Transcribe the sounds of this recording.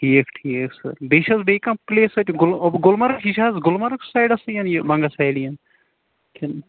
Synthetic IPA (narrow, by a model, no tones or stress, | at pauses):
ʈʰiːkʈʰiːksɐ̰ɾbeːʃɐsbeːkɐmpleːsɐt̪ʲɡʊlobɡʊlmɐɾkiʃaːzɡʊlmɐɾksajɖɐsɨjɐnjibɐŋɡɐsajlijɐn | kʰin